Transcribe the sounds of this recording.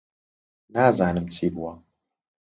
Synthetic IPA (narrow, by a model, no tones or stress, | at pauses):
naːzaːnɨmt͡sʰiːbuwɐ